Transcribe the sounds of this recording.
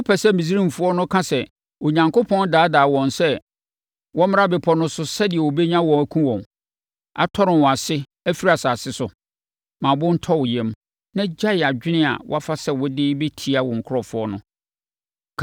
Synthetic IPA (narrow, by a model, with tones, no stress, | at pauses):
ɔ˦pʰɛ˨sɛ˦mĩ˨s̬i˦ɾĩ˦m˨fʊ˦ɔ˦nʊ̃˦kʰã˦sɛ˨ | o˨ɲã˨ŋkʰo˦pʰɔ̃˦n˦daː˨˦daː˨wɔ̃˨nsɛ˦ | wɔ̃˦mɪ̃˦a˦bɪ˨pʰɔ˨nʊ̃˦sʊ˦sɛ˦dɪ˨ɛ˨wo˨be˦ɲã˦wɔ̃˨æ˨kʰũ˦wɔ̃˨n | a̰˨tʰɔ˦ɾɪ̃˨nwɔ˨a˨sɪ˦ | æ˦fi˦ɾa˨saː˨sɪ˦sʊ˨ | mã˨bʊ̃˦n̩˦tʰɔ˦wʊ˨jɛ̃˨m | nã˦d͡ʑa˦ɪ˨a˨d͡ʑᶣɪ˦nɪ̃˦a̰˨wɔ̰˦a˦fa˦sɛ˦wʊ˦dɪ˦be˦tʰi˦a˨wʊ̃˨ŋ̩˨kʰʊ˦ɾɔ˨fʊ˦ɔ˦nʊ̃˦